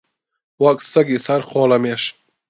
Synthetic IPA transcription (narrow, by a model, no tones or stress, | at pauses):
wɐksɐɡisɐɾχɔːlɐmeʃ